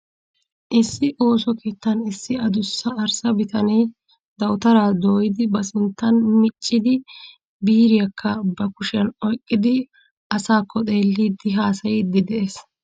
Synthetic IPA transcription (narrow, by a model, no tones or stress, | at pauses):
ʔɪsːɪʔo̞ːsɔke̞ːt̪ːɐnɪsːɪɐd̪ʊsːɐːɾsɐbɪt̪ʰɐneː | d̪ɐwt̪ɐɾaːd̪oːjɪd̪ɪbɐsʊnt̪ːɐnmɪt͡ʃʼːɪd̪ɪ | biːɾɪjɐkʰːɐbɐkʊʃɪɐnɔjkʼːɪd̪ɪ | ʔɐsaːkʰːɔt̪ʼe̞ːlːiːd̪ɪɦaːsɐjɪd̪ɪd̪ɛʔeːs